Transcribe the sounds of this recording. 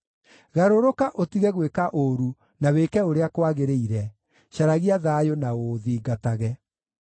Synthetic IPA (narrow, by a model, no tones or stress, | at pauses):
ɣaɾoɾokaʔotiɣɛɣwekaʔoɾu | naweːkɛoɾeakwaɣeɾeiɾɛ | ɕaɾaɣiaðaːjonaoðiːɡataɣɛ